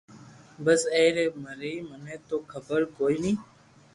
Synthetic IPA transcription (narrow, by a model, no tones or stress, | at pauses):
bəseːɾeːməɾiːmənẽːt̪oːkʰəbəɾkoːiːnĩː